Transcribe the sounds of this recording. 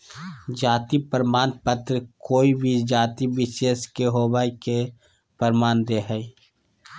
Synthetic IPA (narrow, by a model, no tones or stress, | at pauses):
d͡ʒaːt̪ipəɾmaːnpət̪ɾəkoːibʱid͡ʒaːt̪ibɪʃeːskeɦoːbaːike | pəɾmaːnd̪eɦɛi